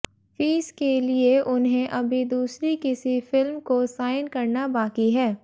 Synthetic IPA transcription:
fiːskelieʔʊnɦẽʔɐbʱid̪uːsɾikɪsifɪlmkosaːɪnkɐɾnabaːkiɦɛː

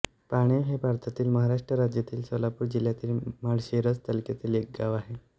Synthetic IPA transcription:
paɽ̃eɦepaɾt̪ʰat̪iːlməɦaɾaʂʈɾəɾad͡ʑjat̪iːlsəlapuːɾd͡ʑiljat̪iːlmaɽɕeɾət͡st̪əlket̪iːlek̚ɡaʋaɦe

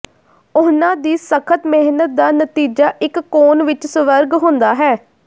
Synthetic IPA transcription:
ʊnãːd̪iːsəkʰət̪mɛɦnət̪̚d̪aːnət̪iːd͡ʒaːʔɪkːoːnʋɪt͡ʃsəʋəɾɡɦʊ̃nd̪aːɦɛː

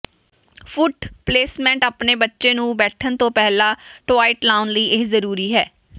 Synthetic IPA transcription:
fʰʊʈpleːsmɛ̃ːɳʈaːpneːbətːʃeːnũːbɛːʈʰənt̪õːpɛːlãːʈʋaːɪʈlaːʊnləiːʔɪzəɾuːɾiːɦɛː

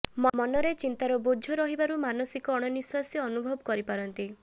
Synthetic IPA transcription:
mmɔnɔɾet͡ʃint̪aɾɔbud͡ʒʱjɔɾɔɦibaɾumanɔsikɔːɽ̃ɔniswasiɔnubʱɔbɔkɔɾipaɾɔnt̪i

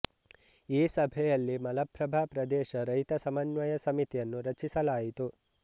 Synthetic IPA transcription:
iːsɐbʱɛjɐlːimɐlɐpːɾɐbʱaːpɾɐd̪ɛːʃɐɾɐjt̪ɐsɐmɐnʋɐjɐsɐmit̪ijɐnːuɾɐt͡ʃːisɐlaːjit̪u

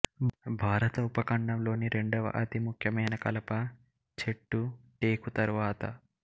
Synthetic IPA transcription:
bʱaːɾɐt̪ɐupɐkɐɳɖɐmlo̞ːniɾe̞ɳɖɐʋɐ̰ʔɐt̪imukʰjɐmɐjnɐkɐlɐpɐ | t͡ʃeʈːuʈeːkut̪ɐɾʋaːt̪ɐ̰

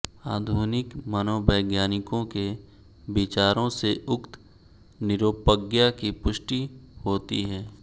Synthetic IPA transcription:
aːd̪ʱuːnɪkmənoːbəːɡjaːnɪkõke | bɪt͡ʃaːɾõseʔʊkt̪ | nɪɾoːpəɡjakipʊʃʈihoːt̪iɦɛː

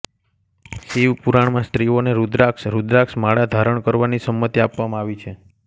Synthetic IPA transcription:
siʋpuɾaɳmãsʈ̪ɾioneɾud̪ɾaksɾud̪ɾaksmaɽad̪ʱaɾəɳkəɾʋanisəmːət̪iapʋamãaʋit͡ʃʰe

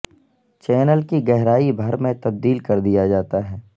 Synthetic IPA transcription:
t͡ʃɛːnəlkiɡɛɦɾaːibʱɐɾmẽt̪ɐb̚d̪iːlkɐɾd̪ijad͡ʒaːt̪aɦɛː

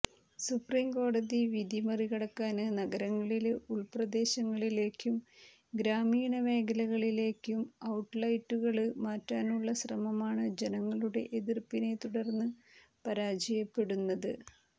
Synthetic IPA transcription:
supriːmko̞ːɽɐðiʋid̪imɐriɣɐɽɐkːaːnɨnɐɣɐɾɐŋːɐɭiluɭprɐd̪e̞ːɕɐŋːɐɭile̞ːkːum | ɡɾaːmiːɳɐʋe̞ːkɐlɐɣɐɭile̞ːkːumɐwʈlɐjtːuɣɐɭɨmaːtːaːnuɭːɐɕrɐmɐmaːɳɨd͡ʑe̞nɐŋːɐɭuɽe̞̰ʔeðirpine̞t̪uɽɐrnːɨ | pɐɾaːd͡ʑɐjɐpːe̞ɽunːɐðɨ

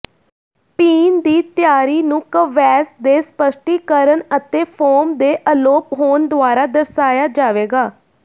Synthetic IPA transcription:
piːnd̪iːt̪jaːɾiːnũːkəʋɛːsd̪eːspəʃʈiːkəɾənət̪eːpʰoːmd̪eːʔəloːpɦoːnd̪ʊaːɾaːd̪əɾsaːjaːd͡ʒaːʋeːɡaː

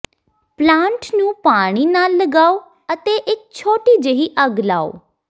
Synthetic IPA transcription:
plãːɳʈnũːpaːɽ̃iːnaːlːəɡaːoː | ət̪eːʔɪk̚t͡ʃʰoːʈiːd͡ʒəɦiːʔəɡla̰ːo̰ː

